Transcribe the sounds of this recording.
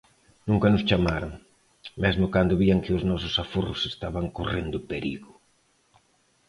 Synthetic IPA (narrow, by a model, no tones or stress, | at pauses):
nũŋkɐnʊst͡ʃamaɾoŋ | mɛzmʊkand̪ʊβiɐŋkɪʊznɔsʊsafurʊsest̪aβaŋkorend̪ʊpeɾḭɣʊ